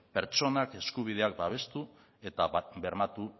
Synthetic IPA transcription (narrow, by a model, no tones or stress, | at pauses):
pe̞ɾt͡ʃo̞nake̞skuβ̞ið̞e̞ak̚baβ̞e̞st̪u | e̞t̪abe̞ɾmat̪u